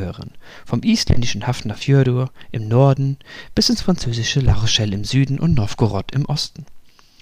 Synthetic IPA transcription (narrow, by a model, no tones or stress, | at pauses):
øːʁə̰n | fɔmʔiːstlɛ̰ndɪʃən̩haftnɐfjøːɐduːɐʔɪmnɔɐdn̩b̥ɪsɪnsfʁant͡søːzɪʃəla̰ʁoʃɛlɪmzyːdn̩ʔʊ̰ntnɔfɡ̥oʁɔtʰɪmʔɔstn̩